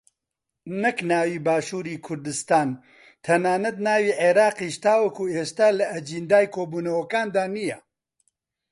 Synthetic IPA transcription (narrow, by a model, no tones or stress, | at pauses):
nɐknaːwiːbaːʃuːɾiːkʰʊɾd̪ɨst̪aːn | t̪ʰɐnaːnɐt̪̚naːwiːʕeːɾaːqiːʃt̪aːwɐkʰuːeːʃt̪aːlɐʔɐd͡ʒind̪aːjkʰoːbuːnɐwɐkaːnd̪aːnijɛ